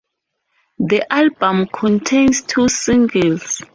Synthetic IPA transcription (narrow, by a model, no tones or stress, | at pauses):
ðiʔalbə̃mkʰɔ̃ntʰẽnstʰusĩŋɡəls